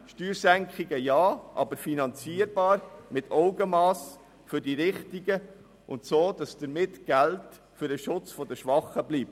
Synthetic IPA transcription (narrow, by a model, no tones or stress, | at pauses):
ʃtyːɾsæŋkχiɡəjɑːʔɑ̰bəɾfinɑnt͡siːəɾb̥ɑːɾmɪtʰɔʊɡəmɑːs | fʏɾdiɾɪχtiɡə | ʊ̰ntsoːd̥ɑsd̥əɾmɪtɡ̥ælt | fʏɾəʃʊt͡sfɔd̥əʃʋɑχːəbliːp̚